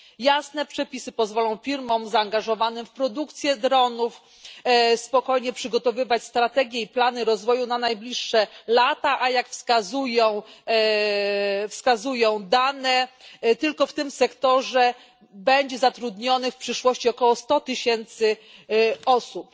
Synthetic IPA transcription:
jasnɛpʂɛpʲisɘpɔzvɔlɔ̃w̃fʲiɾmɔ̃mzaːŋɡaʐɔvanɘmfpɾɔd̪ukt̪sʲjɛd̪ɾɔnuf | spɔkɔjɲɛpʂɘɡɔt̪ɔvɘvat͡ɕst̪ɾat̪ɛɡʲjɛiplanɘɾɔzvɔjunanajblʲiʂːɛlat̪aʔajakfskazujɔ̃w̃ | fskazujɔ̃w̃d̪anɛt̪ɘlkɔft̪ɘmsɛkt̪ɔʐɛ | bɛɲd͡ʑɛzat̪ɾud̪ɲɔnɘfpʂɘʂwɔɕt͡ɕiɔkɔwɔst̪ɔt̪ɘɕɛnt̪sɘ | ɔsup

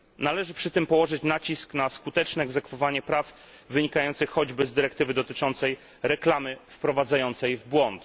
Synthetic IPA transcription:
nalɛʐɘpʂɘt̪ɘmpɔwɔʐɘt͡ɕnat͡ɕisknaskut̪ɛt͡ʂnɛɛɡzɛkfɔvaɲɛpɾav | vɘɲikajɔnt̪sɘxxɔd͡ʑbɘzd̪ɘɾɛk̚t̪ɘvɘd̪ɔt̪ɘt͡ʂɔnt̪sɛj | ɾɛklamɘfpɾɔvad̪zajɔnt̪sɛjvbwɔnt̪

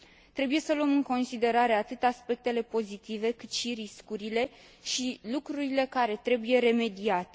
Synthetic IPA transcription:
t̪ɾe̞buje̞səluəmɨŋko̞nsid̪e̞ɾaɾe̞at̪ɨt̪aspe̞k̚t̪e̞le̞po̞zit̪ive̞kɨt̪ʃiɾiskuɾile̞ | ʃilukɾuɾile̞kaɾe̞t̪ɾe̞buje̞ɾe̞me̞d̪iat̪e̥

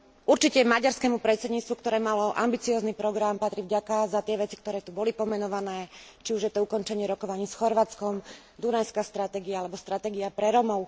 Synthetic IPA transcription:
uɾt͡ʃicɛmaɟaɾskɛmupɾɛt̪sɛd̪ɲit͡st̪ʋukt̪ɔɾɛːmalɔʔa̰mbit͡siɔːznipɾɔɡɾampat̪ɾivɟakazat̪ɪɛʋɛt͡sikt̪ɔɾɛːt̪ubɔlipɔmɛnɔʋanɛːt͡ʃiuʒjɛt̪ɔukɔnt͡ʃɛɲɪɛɾɔkɔʋaɲiːsxɔɾʋaːt͡skɔm | d̪unajskast̪ɾat̪ɛːɡiaalɛbɔst̪ɾat̪ɛːɡiapɾɛɾɔmɔʊ

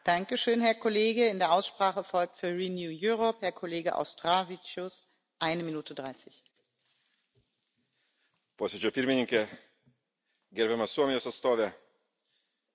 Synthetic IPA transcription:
d̥aŋkəʃøːnɦɛɐkʰɔleːɡəɪndeːɐʔaʊsʃpʁ̥aːχəfɔlk̚tfyːɐʁinjuːjuʁɔphɛɐkʰɔleːɡəʔa̰ʊstʁ̥avit͡ʃʊs | ʔaɪnəminuːtʰədʁaɪsɪç | poːsʲed͡ʒʲoːpʲɪɾʲmʲɪnʲɪŋʲkʲɛ | ɡʲɛɾbʲɛmɐsuɔmʲɪjoːsɐt̪st̪oːʋʲɛ

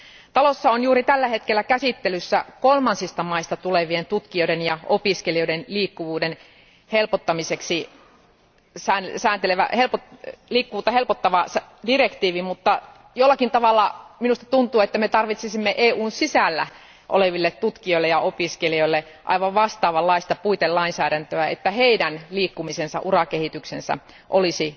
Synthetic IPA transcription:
t̪ɑlosːɑonjuːɾit̪ælːæhet̪kelːækæsit̪ːelysːækolmɑnsist̪ɑmɑist̪ɑt̪uleʋient̪ut̪kioidenjɑopiskelioĭdenliːkːuʋuːden | helpot̪ːɑmiseksi | sæːnsæːnt̪eleʋæ̰helpoliːkːuʋuːt̪ːɑhelpot̪ːɑʋɑsdirekt̪iːʋimut̪ːɑ | jolːɑkint̪ɑʋɑlːɑminust̪ɑ̥t̪unt̪uːet̪ːæmet̪ɑrʋit̪sisimːeʔeːuːnsisælːæ̰ | ʔo̰leʋilːet̪t̪ut̪kioilːejɑopiskelioilːe | ʔɑ̰iʋɑʋʋɑst̪ɑːʋɑlːɑist̪ɑpuit̪ellɑinsæːɾænt̪øæḛt̪ːæheidænliːkːumisensɑ̰ʔurɑkehit̪yksensæ̰ | ʔolisi

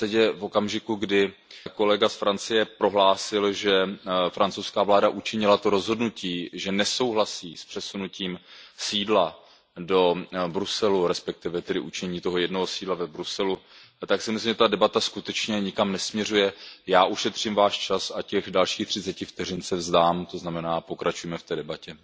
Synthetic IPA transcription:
t̪ɛcjɛvo̞kamʒɪkuɡdɪko̞lɛɡasfɾant͡sɪjɛpɾo̞ɦlaːsɪlʒɛfɾant͡sowskaːvlaːdaʔut͡ʃɪɲɪlat̪o̞ɾo̞zɦo̞dnuciːʒɛnɛso̞wɦlasiːspr̥ɛsunuciːmsiːdla | do̞bɾusɛluɾɛspɛk̚t̪ɪvɛt̪ɛdɪʔut͡ʃɛɲiːt̪o̞ɦo̞jɛdnoɦosiːdlavɛbɾusɛlu | t̪aksɪmɪslimʒɛt̪adɛbat̪askut̪ɛt͡ʃɲɛɲɪkamnɛsmɲɛrujɛjaːʔuʃɛt̪r̝̥ɪmvaːʃt͡ʃasacɛɣdalʃiːxt̪r̝̥ɪt͡sɛcɪft̪ɛr̝ɪnsɛvzdaːmt̪oznamɛnaːpokɾʔat͡ʃujɛmɛft̪ɛːdɛbacɛ

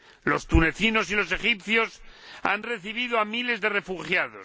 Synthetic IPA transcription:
lo̞st̪une̞θino̞silo̞se̞xip̚θjo̞sa̰nre̞θiβ̞iðoamile̞zðe̞re̞fuxjaðo̞̰s

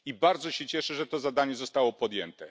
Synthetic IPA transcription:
ibaɾd̪zɔɕɛt͡ɕɛʂɛʐɛt̪ɔzad̪aɲɛzɔst̪awɔpɔd̪jɛ̰nt̪ɛ

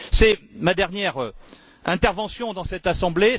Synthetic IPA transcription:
sɛmad̪ɛʁnjɛʁø | ɛ̃t̪ɛʁvɑ̃sjɔ̃d̪ɑ̃sɛt̪asɑ̃ble

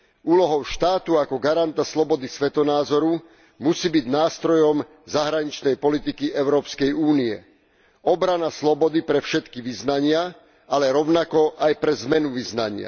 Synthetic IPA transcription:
uːlɔɦɔʊʃt̪aːt̪uakɔɡaɾant̪aslɔbɔd̪isʋɛt̪ɔnaːzɔɾu | musiːbiɟnaːst̪ɾɔjɔm | zaɦɾaɲit͡ʃnɛjpɔlit̪ikiʔɛʊɾɔːpskɛjuːniɛ̰ | ɔbɾanaslɔbɔd̪ipɾɛfʃɛt̪kiʋiznaɲɪa | alɛɾɔʊnakɔʔajpɾɛzmɛnuʋiznaɲɪa̰

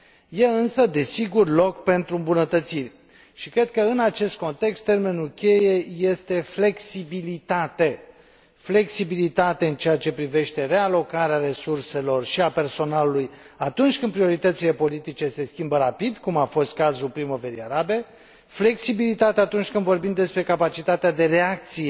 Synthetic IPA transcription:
je̞ɨnsəd̪e̞siɡurlo̞kpe̞nt̪ɾuɨmbunət̪ət̪sirʲ | ʃikɾe̞d̪̚kəɨnat͡ʃe̞st̪̚ko̞nt̪e̞kst̪ːe̞rme̞nulkʲe̞je̞je̞st̪e̞fle̞ksibilit̪at̪e̞ | fle̞ksibilit̪at̪eɨnt͡ʃeat͡ʃe̞pɾive̞ʃt̪e̞ɾe̞alo̞kaɾeaɾe̞surse̞lo̞rʃiape̞rso̞naluluj | at̪unt͡ʃʲkɨnd̪pɾio̞ɾit̪ət̪sile̞po̞lit̪it͡ʃe̞se̞skʲimbəɾapid̪kumafo̞st̪̚kazulpɾimove̞ɾiaɾabe̞ | fle̞ksibilit̪at̪eat̪unt͡ʃʲkɨnd̪vo̞rbimd̪espɾe̞kapat͡ʃit̪at̪ead̪e̞ɾe̞ak̚t̪sije

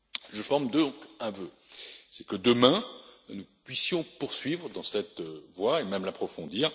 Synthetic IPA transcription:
ʒəfɔʁmd̪əd̪ɔ̃kɛ̃vø | sɛkəd̪əmɛ̃nupɥisjɔ̃puʁsɥivʁd̪ɑ̃sɛt̪vwaemɛmlapχɔfɔ̃d̪iːʁ

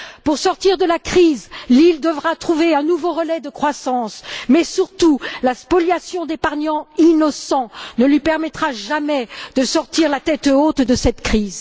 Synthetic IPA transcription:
puʁsɔʁt̪iʁd̪əlakχizlild̪əvʁat̪χuveɛ̃nuvoʁəlɛd̪əkχwasɑ̃smɛsyʁt̪ulaspɔljasjɔ̃d̪epaʁɲɑ̃inɔsɑ̃nəlɥipɛʁmɛt̪χaʒamɛd̪̥əsɔʁt̪iʁlat̪ɛt̪ot̪d̪əsɛt̪kχiz

